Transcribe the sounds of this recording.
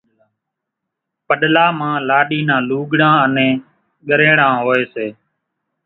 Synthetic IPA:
pəɗlaːmãːlaːɗiːnãːluːɠɽãːənẽː | ɠəɾẽːɽãːɦoːeːseː

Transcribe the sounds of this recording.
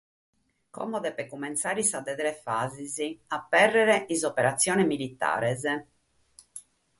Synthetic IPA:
kɔ̰mɔd̪ɛpɛkːumːɛnt̪saːɾisad̪ɛd̪ɾɛfaːziziapːɛrːɛɾɛizɔpɛɾat̪sːjɔːnɛmilit̪ːa̰ːɾɛzɛ

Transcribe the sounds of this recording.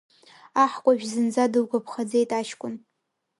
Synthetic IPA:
aħkʷʼaʒᶣzɨnd͡zadɨlɡʷʼapʰχad͡zejtʼaʃkʷʼʊn

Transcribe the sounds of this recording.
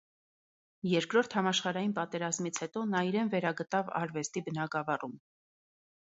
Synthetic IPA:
jɛɾkɾɔɾt̪ʰhɑmɑʃχɑɾɑjinpɑt̪ɛɾɑzmit͡sʰhɛt̪ɔnɑiɾɛnvɛɾɑɡət̪ɑvɑ̰ɾvɛst̪ibənɑɡɑvɑrum

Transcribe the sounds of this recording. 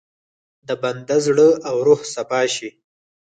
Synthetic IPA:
d̪əband̪azɽəawɾohsapɑʃi

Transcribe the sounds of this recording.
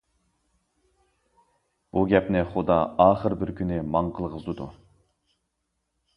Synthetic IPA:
b̥uɡʲɛpnɪχʊd̪ɑɑːχəɾbɪɾkʲʰynɪmɑɴqʰəlˠʁəzd̪ɨd̪u

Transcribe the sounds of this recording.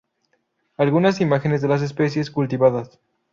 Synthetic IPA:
alɣunas̬imaxe̞nezðe̞las̬e̞spe̞s̬je̞skult̪iβaðas

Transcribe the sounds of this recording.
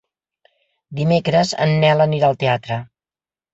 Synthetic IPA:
d̪imekɾəzə̰nːɛləniɾalˠt̪eat̪ɾə

